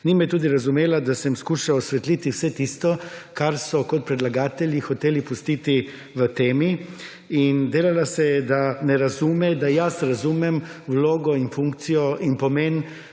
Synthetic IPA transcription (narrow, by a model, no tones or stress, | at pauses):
nimɛɛt̪uːd̪iɾazumeːlad̪asɛmskuːʃaɔsʋɛt̪lit̪iwsɛt̪ist̪ɔkaɾsɔkɔt̪̚pɾɛd̪laɡaːt̪ɛljixɔt̪eːlipust̪it̪i | ʋət̪eːmi | ind̪eːlalasɛjɛd̪anɛɾazumɛd̪ajasɾazumɛmwloːɡɔinfuŋkt̪sijɔʔinpɔmeːn